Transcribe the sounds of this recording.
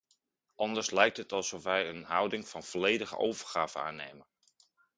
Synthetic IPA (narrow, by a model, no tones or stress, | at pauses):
ʔɑndəɹslɛjk̚tɦətɑlˠsɔfʋɛjənɦɑwdɪŋv̥ɑnv̥ɔlejdəχə̰ʔowvəɹχaːvəna̰ːnḛjmən